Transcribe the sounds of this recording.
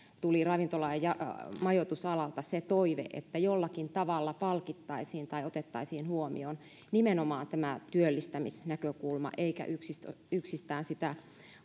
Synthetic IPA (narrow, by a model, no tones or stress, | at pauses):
t̪ulirɑʋint̪olɑijjɑmɑjot̪usɑlɑlt̪ɑset̪oiʋḛʔḛt̪ːæjolːɑkint̪ɑʋɑlːɑpɑlkit̪ːɑisiːnt̪ɑiot̪et̪ːɑisiːnhuomḭon | nimenomɑːnt̪æmæt̪yølːist̪æmisnækøkulmɑ̰ʔeikæ̰ʔyksisyksist̪æːnsit̪æ